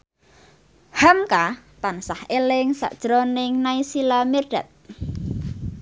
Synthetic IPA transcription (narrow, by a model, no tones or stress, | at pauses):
hamkat̪ansahelɪŋsa̰ʔd̥ʒ̥ɾɔnɪŋnaisilamirɖ̥a̤t̪̚